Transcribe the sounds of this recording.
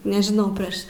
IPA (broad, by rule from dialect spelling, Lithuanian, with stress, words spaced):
nʲɛʒʲɪˈnɐʊ ˈpʲrʲeːʃ